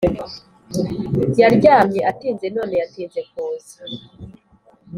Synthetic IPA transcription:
jaɾɟaːmɲeʔatiːnze̞no̞ːne̞jatiːnze̞k̚oːzi̥

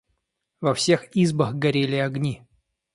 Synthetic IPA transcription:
vɐfsʲe̞xizbəxɡɐɾʲelʲɪɐɡnʲi

